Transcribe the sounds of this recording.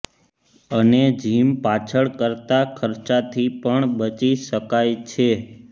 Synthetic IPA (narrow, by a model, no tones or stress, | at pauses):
əned͡ʒimpat͡ʃʰəɭkəɾt̪akʰəɾt͡ʃat̪ʰipəɳbət͡ʃiʃəkajt͡ʃʰe